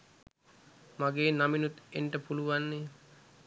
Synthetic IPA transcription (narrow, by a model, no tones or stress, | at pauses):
maɡeːnaminut̪enʈəpuluʋanːe